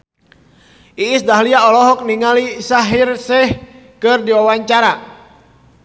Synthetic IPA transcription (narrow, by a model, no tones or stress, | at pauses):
iːsdaɦliaɔlɔɦɔk̚niŋalisaɦirsɛh | kɨrdiwawaɲt͡ʃaɾa